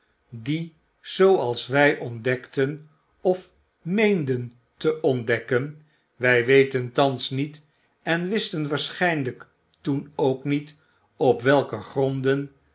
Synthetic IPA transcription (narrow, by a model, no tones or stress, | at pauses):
di | z̥owɑlˠsʋɛjʔɔndɛktən | ɔf | mejndən | təʔɔndɛkən | ʋɛjʋejtəntɑnsnit | ɛnʋɪstənʋaːɹsχɛjnlək | tunowknit | ɔpʋɛlˠkəχrɔndən